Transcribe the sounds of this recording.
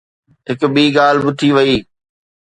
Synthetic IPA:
ɦɪkɓiːɡaːlbɪt̪ʰiʋɐiː

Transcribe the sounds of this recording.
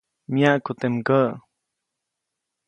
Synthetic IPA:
mjaʔkut̪emkəʔ

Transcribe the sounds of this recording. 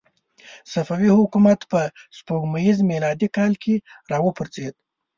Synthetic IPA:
safawihʊkumat̪pəspoɡmajizmelɑd̪ikɑlkʰeɾɑwəpəɾt͡sed̪̚

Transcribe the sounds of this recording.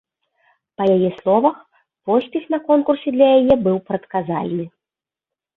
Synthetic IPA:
pɐjajɛslˠɔvɐx | pɔsʲpʲɛxnɐkɔnkursʲɛd̪lʲɐjajɛbɨwpɾɐt̪kaza̰lʲnɨ

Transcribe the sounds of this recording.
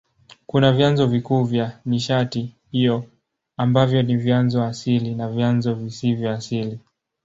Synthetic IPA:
kunavjanzɔvikuːvjamiʃati | hijɔ | ambavjɔnivjanzɔasilinavjanzɔvisivjɔːsili

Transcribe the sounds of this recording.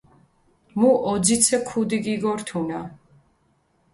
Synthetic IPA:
muʔɔd̪zit̪sʰɛkʰud̪iɡiɡɔɾt̪ʰuna

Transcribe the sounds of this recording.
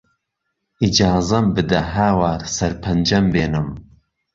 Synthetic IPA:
id͡ʒɑːzɐmbɨd̪ɐɦaːwaːɾsɐɾpʰɐnd͡ʒɐmbeːnɨm

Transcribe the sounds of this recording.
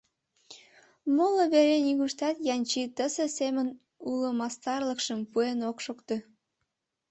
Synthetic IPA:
moloβeɾenʲiɣuʃt̪ɑt̪jɑnʲt͡ɕit̪əzesemən | uləmɑst̪ɑrləkʃəmpuenokʃokt̪e

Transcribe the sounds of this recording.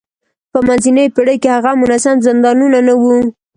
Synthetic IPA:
pəmanzinəjpɪɽəjkehaɣamʊnasamzɪnd̪ɑnunanawu

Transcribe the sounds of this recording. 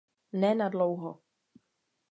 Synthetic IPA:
nɛːnadlowɦo̰

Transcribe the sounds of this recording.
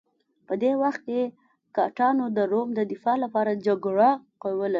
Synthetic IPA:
pəd̪ewaxt̪̚ke | kɑʈɑnod̪əɾomd̪əd̪ɪfɑlapɑɾad͡ʒaɡɽaqowəla

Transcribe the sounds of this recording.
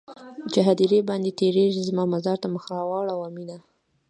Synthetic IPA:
d͡ʒaɦad̪iɾebɑnd̪et̪eɾeʒizmɑmazɑɾt̪aməxɾawɑɽawamid̪a

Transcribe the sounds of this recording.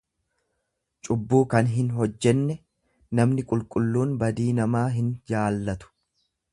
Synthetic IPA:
t͡ʃʼʊbːuːkɐnɦɪnɦɔd͡ʒːɛnːɛ | nɐmnɪkʼʊlkʼʊlːuːnbɐd̪iːnɐmaːɦɪnd͡ʒaːlːɐt̪ʊ̥

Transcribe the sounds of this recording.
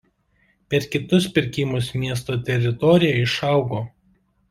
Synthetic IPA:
pʲɛɾkʲɪt̪ʊspʲɪɾʲkʲɪmʊsmʲiɛs̬t̪oːt̪ʲɛɾʲɪt̪ɔɾʲɪjɛɪʃɑˑʊɡoː

